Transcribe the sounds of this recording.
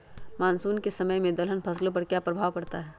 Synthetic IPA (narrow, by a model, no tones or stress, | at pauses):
maːnsuːnkesɐməjmẽd̪ɐlɦənpʰɐslõp̬ɐɾkjaːpɾɐbʱaːʋkɐɾt̪aɦɛː